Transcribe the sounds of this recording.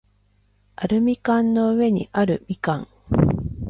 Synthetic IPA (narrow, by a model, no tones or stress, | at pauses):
aɾɯ̟mʲikãnno̞ɯβe̞ɲ̟ḭʔaɾɯ̟mʲikãŋ